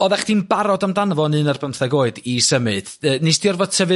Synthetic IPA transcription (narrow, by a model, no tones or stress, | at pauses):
ɔðaχd̥inbaɾɔdamdanvɔnɨnarbəmθaɡoːɨdisəmɨd̥əːnesd̥iɔrvɔ̥tʰəvɨ